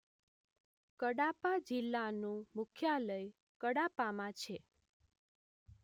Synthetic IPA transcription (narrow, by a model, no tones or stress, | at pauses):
kəɽapad͡ʒilːanũmʊkʰjaləj | kəɽapamãt͡ʃʰe